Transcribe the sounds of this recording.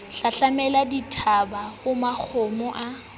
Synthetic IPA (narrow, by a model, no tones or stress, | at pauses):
ɬaɬamɛladitʰabahʊmak͡xʰomʊʔa